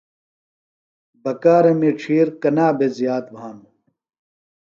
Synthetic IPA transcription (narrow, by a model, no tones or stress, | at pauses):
bɐkaːɾɐmiʈ͡ʂʰiːɾkɐnaːbezijaːt̪̚bʱaːnu